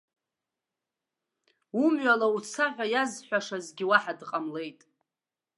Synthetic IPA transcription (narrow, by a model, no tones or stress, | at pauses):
umɥalaut͡sʰaħʲᶣʷajazħʷᶣaʂazɡʲiwaħadqʼamle̞jtʼ